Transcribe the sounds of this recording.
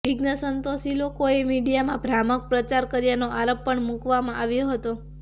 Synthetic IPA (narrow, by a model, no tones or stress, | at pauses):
ʋiɡnəsənt̪osilokoemiɖijamãbʱɾamək̚pɾət͡ʃaɾkəɾjanoʔaɾəpːəɳmukʋamãʔaʋjoɦət̪o